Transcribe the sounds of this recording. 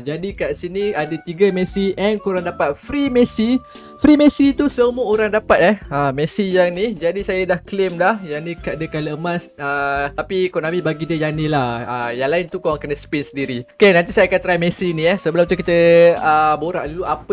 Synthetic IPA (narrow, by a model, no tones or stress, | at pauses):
d͡ʒadikaʔsiniadat̪iɡəmɛsiʔɛnkuɾaŋdapat̪̚fɾimesi | fɾimesit̪usəmuəoɾaŋdapat̪̚ɛhəmɛsijaŋnid͡ʒadisajədahklɪmdahjanĩkadəkaləəmãsət̪apikonamibaɡidiəjanilahəjaŋlaɪnt̪ukowaŋkənəspinsəndiɾiokenant̪isajakant̪ɾajmesiniahsəbəlʊmt̪ukit̪əəboɾaʔduluap